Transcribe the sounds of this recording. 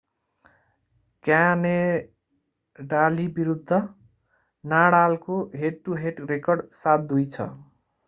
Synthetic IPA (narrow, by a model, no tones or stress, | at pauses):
kjane | ɖalibiɾud̪ʱːʌ | naɽalkoɦeʈʈuɦeʈrekʌrɖsat̪̚d̪ujt͡sʰʌ̰